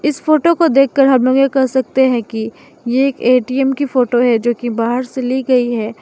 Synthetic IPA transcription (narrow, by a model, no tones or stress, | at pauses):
ɪsfoːʈokod̪eːkʰːəɾɦɐmloːɡekɐɾsɐk̚t̪eɦɛ̃ki | jeeːkeːʈiːɛmkifoːʈoɦɛd͡ʒoːkibaːɦəɾseliɡɐiɦɛː